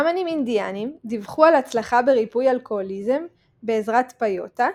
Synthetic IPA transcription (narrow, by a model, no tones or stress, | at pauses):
amanimind̪ijanimd̪ivχualat͡slaχabeʁipujalkoolize̞m | be̞ːzʁat̪pajo̞̰ta